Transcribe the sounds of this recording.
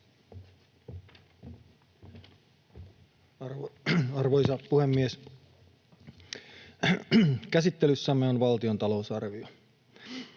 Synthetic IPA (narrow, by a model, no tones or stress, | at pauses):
ɑrʋojsɑpuhemːies | kæsit̪ːelysːæmːeonʋɑlt̪io̞nt̪ɑlo̞usɑrʋio